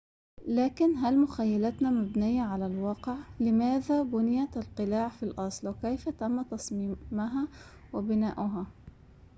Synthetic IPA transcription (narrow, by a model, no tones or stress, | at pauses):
laːkɪnɦalmʊxajːalat̪namabnɪjːaʕalalwɑːqɪʕlɪmaːðabʊnɪjat̪alqɨlaːʕfilʔɑsˤlwɪkajfat̪amːat̪ɑsˤmiːmaɦa | wɪbɪnaːʔʊɦa